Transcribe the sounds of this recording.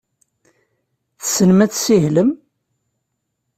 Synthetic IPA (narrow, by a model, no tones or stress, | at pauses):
θsənmæt͡ssihləm